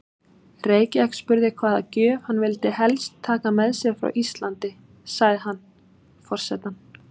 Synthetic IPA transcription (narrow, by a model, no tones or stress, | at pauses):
reːjcakspʏɾðɪkʰvaːðacœːv̥hanːvɪlt̪ɪɦɛlst̪ʰːaːkamɛðsɛɣfɾa̰wʔist̪lant̪ɪ | saɣðɪɦanː | fɔr̥sɛt̪an